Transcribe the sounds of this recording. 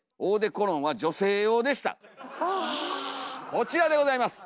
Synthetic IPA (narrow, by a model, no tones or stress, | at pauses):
oːd̪e̞ko̞ɾõ̞ɰ̃βad͡ʑo̞se̞ːjo̞ːd̪e̞ɕi̥t̪a̰ | ko̞t͡ɕiɾad̪e̞ɡo̞zaimasɨ̥